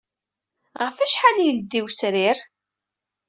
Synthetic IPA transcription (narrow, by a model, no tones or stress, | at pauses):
ʁəfæʃħalijld̪ːiwsɾɪɾ